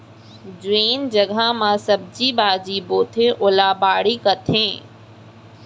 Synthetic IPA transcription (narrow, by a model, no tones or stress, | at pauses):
d͡ʑʋeːnd͡ʑɐɡʱamãsɐb̚d͡ʑiːbaːd͡ʑiːboːt̪ʰẽʔoːlaːbaːɽikɐt̪ʰẽː